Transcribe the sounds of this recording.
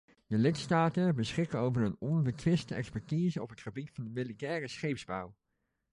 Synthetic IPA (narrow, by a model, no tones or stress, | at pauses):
dəlɪtstaːtəbəsχɪkəowvəɹənɔnbətʋɪstəɛ̰kspɛɹtiːzəɔpɦətχəbitfɑndəmɪlitɛːrəsχejpzbaw